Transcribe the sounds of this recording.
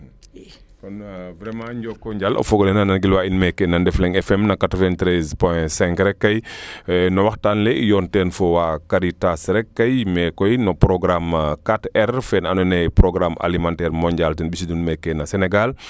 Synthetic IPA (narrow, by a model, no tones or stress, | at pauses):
kɔnvɾɛmãɲɟɔkːɔɲɟalʔɔ̰fɔɡɔlɛnanɐnɡilwainmɛkːɛnɐndɛflɛŋɛfɛmnɐkatɔvɛntɾɛzpɔjɛ̃sɛ̃ŋkɾɛkːɐj | nɐwɐxtanlɛijɔntɛnfɔwakaɾitasɾɛkːɐjmɛkɔjnɔpɾɔɡɾamkatɛrfɛnɐnunɛjpɾɔɡɾama̰limãntɛːrmɔɲɟaltɛnbis̬idunmɛkːɛnɐsɛnɛɡal